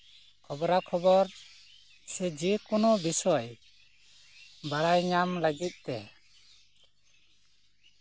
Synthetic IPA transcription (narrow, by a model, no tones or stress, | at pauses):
kʰɔbɔɾakʰɔbɔɾ | sɛd͡ʒikɔnɔbisɔj | baɽajɲamləɡit̪̚t̪ɛ